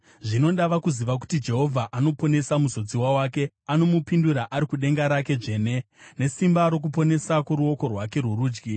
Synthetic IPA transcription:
ʐino̞ɗaʋakuziʋak̬u̥tid͡ʒe̞ɦo̞vʱaʔano̞po̞ne̞samuzo̞d͡ziwawake̞ | ano̞mupinduɾaʔaɾikuɗe̞ŋɡaɾake̞ʐe̞ːne̞ne̞simbaɾo̞k̬upo̞ne̞sakoɾuo̞ko̞rwake̞ruɾuːd͡ʒɡi

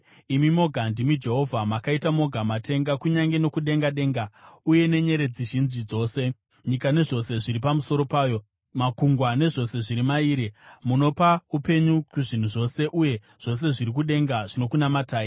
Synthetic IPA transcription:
imimo̞ɡʱandimid͡ʒe̞ɦo̞vʱamakaitamo̞ɡʱamate̞ŋɡakuɲaŋɡe̞no̞kuɗe̞ŋɡaɗe̞ːŋɡauje̞ne̞ɲe̞ɾe̞d͡ziʒinzid͡zo̞ːse̞ | ɲikane̞ʐo̞se̞ʐiɾipamuso̞ɾo̞paːjo̞ | makuŋɡwane̞ʐo̞se̞ʐiɾimaiːɾemuno̞paupe̞ɲukuʐin̤uʐo̞se̞ʔuje̞ | ʐ̥o̞s̬e̞ʐiɾik̬uɗe̞ŋɡaʐino̞kunamataːi

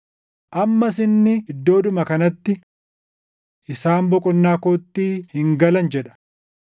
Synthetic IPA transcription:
ʔɐmːɐsɪnːɪɪd̪ːo̞ːd̪ʊmɐkɐnɐt̪ːɪ | ʔɪsaːmbɔkʼɔnːaːkoːt̪ːiːhɪŋɡɐlɐnd͡ʒɛᶑɐ̥

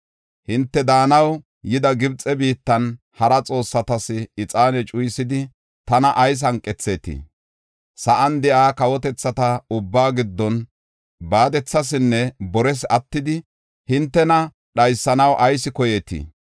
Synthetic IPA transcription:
hɪnt̪ːɛd̪aːnɐw | jɪd̪ɐɡɪbt͡sʼɛbiːt̪ːɐn | hɐɾɐt͡sʼo̞ːsːɐt̪ɐsɪɪt͡sʼaːnɛt͡ʃʼʊjsɪd̪ɪ | t̪ɐnɐʔɐjs̬ɐŋkʼːɛt͡sːeːt̪ɪ̰ | sɐʔɐnd̪ɛʔaːkɐwɔt̪ɛt͡sːɐt̪ɐʊbːaːɡɪd̪ːɔn | baːd̪ɛt͡sːɐs̬ɪnːɛbɔɾɛs̬ɐt̪ːɪd̪ɪ | hɪnt̪ːɛnɐ | ɗɐjsːɐnɐwʔɐjsɪkɔjeːt̪ḭ

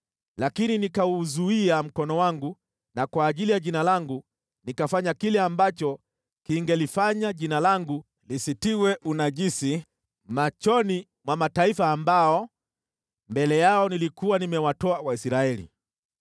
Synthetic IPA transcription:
lakininikauzuiam̩kɔnɔwaŋɡu | nakwaːʄilijaʄinalaŋɡu | nikafaɲakilɛambat͡ʃɔ | kiŋɡɛlifaɲaʄinalaŋɡu | lisitiwɛʔunaʄisi | mat͡ʃɔni | mwamataifaːmbaɔ | mbɛlɛjaɔnilikuwanimɛwatɔawaisɾaɛlḭ

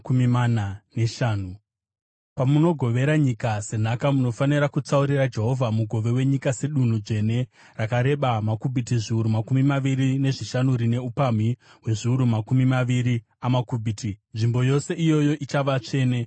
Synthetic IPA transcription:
kumimananeʃaːnu | pamuno̞ɡʱo̞ʋe̞ɾaɲikase̞nakamuno̞faniɾakut͡sauɾirad͡ʒe̞ɦo̞vʱamuɡʱo̞ʋe̞we̞ɲikase̞ɗun̤ud͡ʐe̞ne̞ | rakaɾe̞ɓamakubʱitiʐiuɾumakumimaʋiɾine̞ʐiʃanurine̞upamiɦwe̞ʐiuɾumakumimaʋiɾi | amakubʱitinʐimbo̞jo̞se̞ʔijo̞jo̞ʔit͡ʃaʋat͡ʂe̞ːne

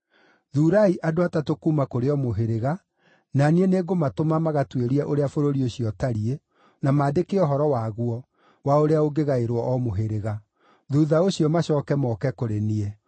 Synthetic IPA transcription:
ðuːɾaiʔadoatatokuːmakoɾeɔmoɦeɾeɣa | nanieneɡomatomamaɣatweɾiɛʔoɾeafoɾoɾioɕiɔtaɾie | namaːdekeɔɦɔɾɔwaɣwɔ | waoɾeaoɡeɣaeɾwɔʔɔmoɦeɾeɣa | ðuðaoɕiɔmaɕɔːkɛmɔkɛkoɾeniɛ

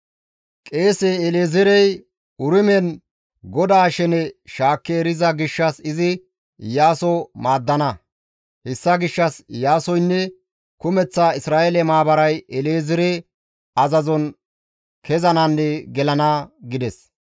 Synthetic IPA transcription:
kʼe̞ːseːleːzɪɾɛj | ʊɾɪmɛn | ɡɔd̪aːʃɛnɛʃaːkːeːɾɪzɐɡɪʃːɐsɪzɪ | jaːsɔmaːd̪ːɐnɐ | hɛsːɐɡɪʃːɐsjaːsɔjnːɛ | kʊmɛt͡sːaːɪsɾaːʔelɛmaːbɐɾɐjɛleːzɪɾe | ɐzɐzɔn | kʰɛzɐnanːɛɡɛlɐnɐɡɪd̪ɛs

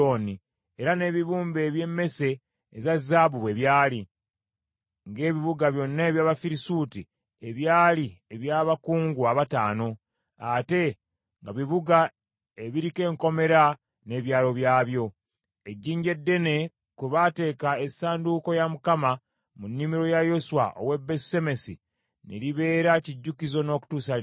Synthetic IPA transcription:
oni | eɾane̞ːβiβuːmbe̞ːβje̞mːe̞se̞ː | zazaːβuβwe̞ːβjaːli | ŋɡe̞ːβiβuɡaβjo̞nːaeβjaːβafiɾisuti | eβjaːlieβjaːβakuːŋɡuaβataːno̞ | ate̞ | ŋɡaβiβuɡa | eβiɾike̞ːŋko̞me̞ɾa | ne̞ːβjaːlo̞βjaːβjo̞ | e̞ɟːiːɲɟe̞dːe̞ne̞ | kwuβate̞ːkae̞saːnduko̞jamukama | munːimiɾo̞jajo̞swa̰ʔo̰we̞bese̞me̞si | nḛliβe̞ːɾaciɟːukizo̞no̞ːku̥tuːsal

